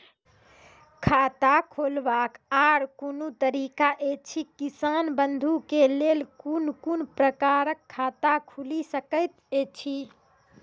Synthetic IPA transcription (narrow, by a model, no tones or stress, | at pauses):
kʰat̪akʰolbakaɾkonut̪əɾikaʔet͡ʃʰikisanbənd̪ʱukelelkunkunpɾəkaɾəkʰːat̪akʰulisəkəɪt̪et͡ʃʰi